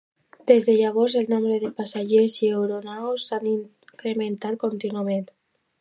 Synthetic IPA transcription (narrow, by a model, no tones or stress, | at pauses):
d̪̥ezðeʎaβ̞oɾzelnombɾeðepasaʒeziewɾonawsːaniŋ | kɾement̪at̪̚kont̪inuament̪